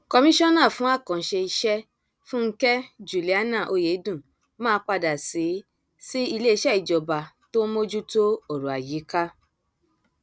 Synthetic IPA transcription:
kɔ˧mĩ˦ʃɔ̃˦nã˦˨fũ˨˦a˦˨kɔ̃˨n̩˨˦ʃe˧i˧ʃɛ˦ | fũ˦ŋ̩˦kɛ˦d͡ʒu˨li˨a˦nã˦˨ʔo˧je˨˦dũ˦˨ | mãː˦k͡pa˧da˨si˨˦ | si˦i˧le˦i˧˦ʃɛ˦i˨d͡ʒɔ˨ba˨ | to˦mo˦d͡ʒu˦to˦o˦˨ɾu˨a˨ji˨˦ka˦

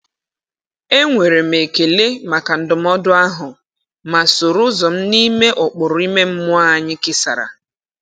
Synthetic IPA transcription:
e˦ŋʷe˨ɾe˨m̩e˨ke˨le˦ma˨ka˨n̩˦dʊ˨m̩˦ɔ˦dʊ˦a˦ɦʊ˨ | ma˨sʊ˨ɾʊ˦zɔ˨m̩˦ni˦me˦ʔʊ˨k͡pʊ˨ɾʊ˨˦i˦me˦m̩˦mʊ˦a˦˨ɲɪ˦kɪ˦sa̰˨ɾa̰˨

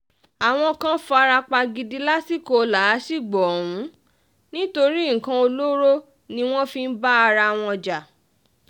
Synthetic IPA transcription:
a˨w̃ɔ̃˧kã˦fɔ˧a˧ɾa˧k͡pa˧ɡi˧di˧la˦si˦ko˧la˨˦si˦˨ɡ͡bɔ˨wũ˨˦ | nĩ˦to˧ɾi˦ŋ̩˨kã˧o˧lo˦ɾo˦ | nĩ˧˦w̃ɔ̃˦fi˧n̩˦ba˦a˧ɾa˧w̃ɔ̃˧d͡ʒa˨

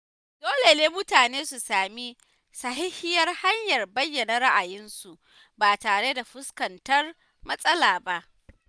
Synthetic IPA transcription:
doː˦le˨neː˦mʊ˦taː˨neː˦su˨saː˨mi˦ | sɐ˨ɦɪ˦hɪ˦jɐ˦rha˦ɲjɐ˨rbɐ˦jːɐ˨nɐ˦ɾɐ˦ʔa˨jɪ˦nsu˨ʔ | baː˨taː˨ɽe˦da˨ɸʊ˦skɐ˨ntɐ˦r | mɐ˦sʼɐ˦laː˨ba˦ʔ

